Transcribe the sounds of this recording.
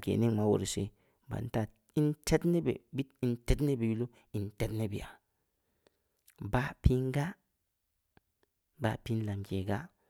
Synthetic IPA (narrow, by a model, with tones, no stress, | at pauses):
ɡḛ˨ne˦ŋma˦wo̰˨ɾi˨sḛ˦ | ba̰˨n˦ta˨ | i˦nte˦tne˦bḛ˨bi˦ti˨˦nte˦tne˦be˨ju˦lo˦ | i˨nte˦tne˦bḭ˨ja˨ | ba˦pi˦ŋɡa˦ | ba˨˦pi˦nla˨mɡe˨ɡa˦